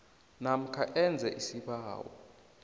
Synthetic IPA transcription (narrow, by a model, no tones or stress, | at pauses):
nam̩kʰaʔɛnd͡zʱɛʔisiɓaːwɔ̰